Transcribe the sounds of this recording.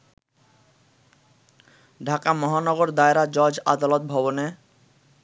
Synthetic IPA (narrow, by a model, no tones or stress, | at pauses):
ɖʱakamɔɦanɔɡoɾd̪aeɾad͡ʑɔd͡ʑa̰d̪alot̪̚bʱɔbone